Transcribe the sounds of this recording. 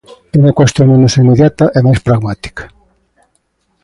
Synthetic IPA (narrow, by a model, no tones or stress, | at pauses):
inakwɛst̪omenusimːeðjat̪aʔɛmaspɾaɡmat̪i̥kḁ